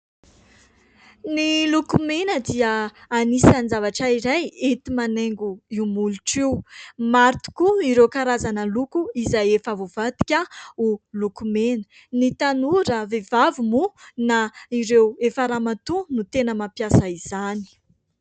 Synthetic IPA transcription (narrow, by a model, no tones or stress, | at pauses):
nilukumenəd̪iəanisanizavaʈ͡ʂaiɾajet̪imaneŋɡuiwmuluʈ͡ʂiwmaɾt̪u̥kuiɾewkaɾazanəlukuizajefavovat̪i̥kʲaulukumenə | nit̪anuɾəvevavumunaiɾewefəɾamat̪unut̪enəmapjasaiz̥ani̥